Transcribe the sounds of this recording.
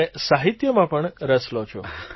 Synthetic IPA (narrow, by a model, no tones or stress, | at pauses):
esaɦit̪jəmãpəɳɾəslot͡ʃʰo̰